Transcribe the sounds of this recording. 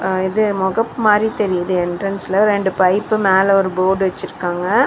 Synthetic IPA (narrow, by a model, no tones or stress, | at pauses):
ɪðɯmɔɣɐpːmaːd̪ɾit̪ɛɾɪjɐðɯɛɳɖɾɐnsɪlɐɾɛɳɖɯpɐɪpːɯmeːlɛɔɾɯboːɖʋɐt͡ʃːɪɾɯkːaːŋɡɐ